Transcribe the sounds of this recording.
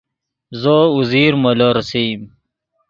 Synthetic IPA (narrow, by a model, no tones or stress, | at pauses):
zouziːɾmɐloɾsim